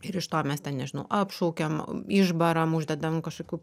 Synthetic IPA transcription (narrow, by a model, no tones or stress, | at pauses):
ɪɾɪʃt̪oːmʲɛst̪ʲɛnnʲɛʒʲɪnɐʊʔɐːpʃoʊkʲɛmɪʒbɐɾɐmʊʒʲd̪ʲɛd̪ɐʋɐmkɐʃkoːkʲuː